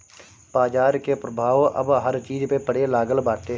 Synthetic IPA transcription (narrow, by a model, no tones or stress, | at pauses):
paːd͡ʒaːɾkepɾəbʱaːʋʔə̰bɦəɾt͡ʃiːzpepəɽelaːɡəlbaːt̪e